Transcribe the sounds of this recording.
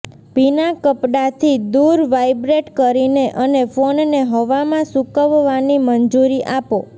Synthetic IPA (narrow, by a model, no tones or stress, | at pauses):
binakəpɽat̪ʰid̪uɾʋajbɾeʈkəɾineʔənefonneɦəʋamãsukəʋːanimənd͡ʒuɾiʔapo